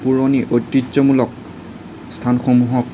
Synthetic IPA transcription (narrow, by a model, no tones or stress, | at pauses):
puɹoniʔojtːizɔmulɔk̚ | stʰanxomuɦɔk